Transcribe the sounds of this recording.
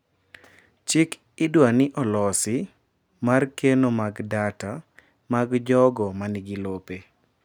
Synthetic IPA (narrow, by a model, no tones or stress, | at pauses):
t͡ʃɪk | ɪdwanɪʔɔlɔsɪ | markenomaɡdata | maɡd͡ʒɔɡɔmanɪɡɪlope